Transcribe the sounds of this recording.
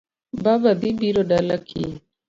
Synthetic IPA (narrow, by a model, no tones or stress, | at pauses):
babɐd̪ibiɾoɖɐlakʰḭ